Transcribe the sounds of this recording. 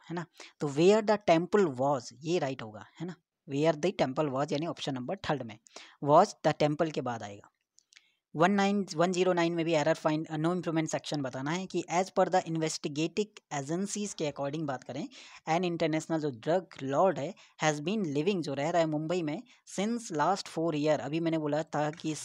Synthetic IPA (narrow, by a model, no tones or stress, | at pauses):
hɛːnat̪oːʋeːaːɾd̪əʈɛ̃mpəlʋɔːzjeɾaːɪʈɦoːɡa̰ːhɛna | ʋeːaːɾd̪iʈɛ̃mpəlʋɔːzjaːniɔːpʃə̃nːɐ̃mbəɾʈ̪ʰɐɾɖmẽʋɔːd͡ʒd̪̥əʈɛ̃mpəlkebaːd̪a̰ːḛːɡaː | ʋɐnːaɪnʋɐ̃nd͡ʒiːɾonãɪ̃nmẽbʱiɛːɾəɾfãɪ̃noːɪ̃mpɾuːmẽɳʈsɛkʃə̃nbɐt̪aːnaɦɛkiʔɛːzpəɾd̪ɐʔɪ̃nʋɛsʈɪɡeːʈɪɡeːd͡ʒə̃nsizkeɐkɔːɾɖɪ̃ŋɡbaːt̪kɐɾẽɛ̃ːnɖɪ̃ɳʈəɾnɛːʃnəld͡ʒoːɖɾɐɡlɔːɾɖɦɛhɛːzbĩːnlɪʋɪ̃ŋɡd͡ʒoːɾɛɦɾaɦɛmʊ̃mbəimẽ | sɪ̃nslaːsʈfoːɾiəɾɐ̰bʱimɛ̃ːneboːlat̪ʰakis